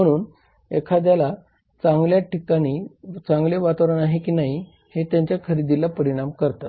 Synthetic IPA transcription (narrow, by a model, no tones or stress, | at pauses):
m̤əɽ̃uːn | ekʰad̪jala | t͡saŋɡljaʈikaɽ̃iːt͡saŋɡleʋat̪aʋɾənaɦekiːnaɦi | het̪jaɲt͡ɕjakʰəɾid̪ilapəɾiɽ̃amkəɾt̪at̪